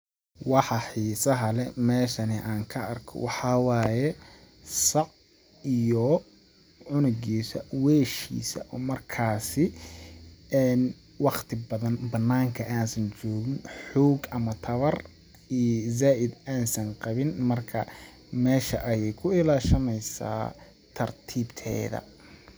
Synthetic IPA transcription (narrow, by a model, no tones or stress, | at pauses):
wɑħɑħiːsɐɦɐlɛmɛːʃɐnɪʔaːŋkʰɐʔɐrkʰɔ̰wɑħɑwaːjɛ | sɑʕ | ijɔ | ʕʊnʊɣiːsɐ̰wɛːʃḭːsɐ̰ʔɔːmɐrkʰaːsɪ | ɛːn | wɑqt̪ʰɪbɐðɐnbɐnːaːŋkʰɐʔaːnsɐnt͡ʃɔːɣɪnħuːɡʔɐmɐt̪ʰɐβɐr | ijzaːʔɪd̪aːnsɐnqɑβɪnmɐrkʰɐ | mɛːʃɐʔɐjɛjkʰʊɪlaːʃɐmɛjsa̰ː | t̪ʰɐrt̪ʰiːbt̪ʰɛ̰ːðɐ̰